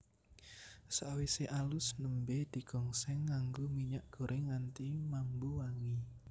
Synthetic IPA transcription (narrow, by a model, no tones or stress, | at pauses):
saʔwiseʔalʊsnəmbed̪̥i̤ɡ̥ɔ̤ŋsɛŋːaŋɡomiɲaʔɡ̥o̤ɾʔeŋant̪imambuwaŋi